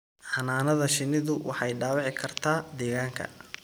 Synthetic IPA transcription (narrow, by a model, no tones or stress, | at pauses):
ħɑnaːnɐðɐʃɪnɪðʊwʔɑ̰ħɑjɖaːwɑʕɪkʰɐrt̪ʰaːd̪ɛːɣaːŋkʰɐ̰